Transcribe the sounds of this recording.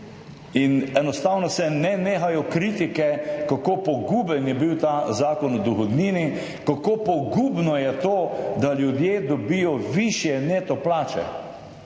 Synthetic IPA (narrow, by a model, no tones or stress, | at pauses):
inɛnɔst̪aːwnɔsɛnɛneːxajɔkɾiːt̪ikɛkakopɔɡuːbənjɛbiwt̪aːzaːkɔnɔd̪uxɔd̪niːni | kakopɔɡuːbnɔjɛt̪oːd̪aljud̪jeːd̪ɔbijɔʋiʃjɛneːt̪ɔplaːt͡ʃɛ̰